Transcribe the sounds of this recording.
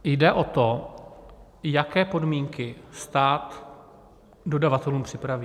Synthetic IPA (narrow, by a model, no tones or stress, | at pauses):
jdɛʔo̞t̪o̞ | jakɛːpo̞dmiːŋkɪst̪aːt̪ | do̞davat̪ɛluːmpr̝̥ɪpɾaviː